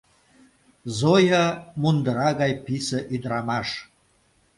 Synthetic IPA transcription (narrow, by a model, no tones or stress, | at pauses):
zojamund̪əɾɑɣɑjpisəʔid̪ramaʂ